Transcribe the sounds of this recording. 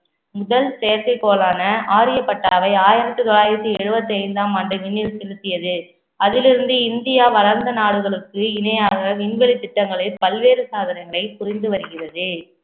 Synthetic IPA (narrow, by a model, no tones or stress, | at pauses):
mʊðɐlsɛjɐɾkɐɪpːoːlaːnɐʔaːɾɪjɐpːɐʈːaːʋɐɪaːjɪɾɐt̪ːɯt̪ɔɭaːjɪɾɐt̪ːɯɛɻɯbɐt̪ːɯɐɪnd̪aːmɐːɳɖɯʋɪɳːɪlsɛlɯt̪ːɪjɐðɯ | ɐðɪlɪɾɯnd̪ɯɪnd̪ɪjaːʋɐlɐɾnd̪ɐnaːɽɯɣɐɭɯkːɯɪnɐjaːɣɐʋɪɳʋɛɭit̪ːɪʈːɐŋɡɐɭɐpːɐlʋeːɾɯsaːðɪɾɐɪŋɣɐɭɐɪpʊrɪnd̪ɯʋɐɾɯɣɪrɐðɯ